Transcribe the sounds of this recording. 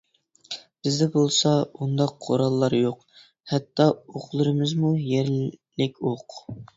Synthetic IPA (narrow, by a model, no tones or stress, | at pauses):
b̥ɪzd̪ɛbolˠsɑund̪ɑqʰːo̰ɾɑlˠːɑɾjoq | hɛt̪ːɑoqlˠɨɾɨmɨzmujɛɾlɪkʲʰoq